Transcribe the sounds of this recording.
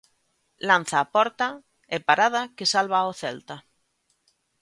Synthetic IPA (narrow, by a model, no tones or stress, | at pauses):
lan̟θaːpɔɾt̪a | epaɾað̞akesalβaoθɛlt̪a